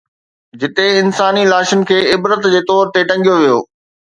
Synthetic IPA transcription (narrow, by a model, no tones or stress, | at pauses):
d͡ʑɪt̪eɪnsaːnilaːʃənɪ̆kʰeːɪbɾət̪d͡ʑeːt̪ɔːɾt̪eʈɐ̃ŋɡijoʋijo̰ː